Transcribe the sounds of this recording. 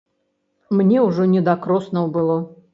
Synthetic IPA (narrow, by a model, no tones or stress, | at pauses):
mnʲɛwʐɔnʲɛd̪akɾɔsnɐwbɨlˠɔ